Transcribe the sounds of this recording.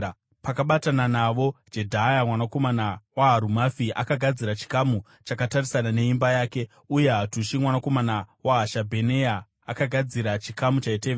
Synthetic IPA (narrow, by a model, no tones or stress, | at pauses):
pakaɓatananaʋo̞d͡ʒe̞dʱajamwanako̞manawaɦːɾumafiʔa̰kaɡʱad͡ziɾat͡ʃi̥kamu | t͡ʃakatarisanane̞imbajaːke̞ | uje̞ɦatuʃimwanako̞manawaɦaʃabʱe̞ne̞jaː | kaɡʱad͡ziɾat͡ʃikamut͡ʃaiteʋe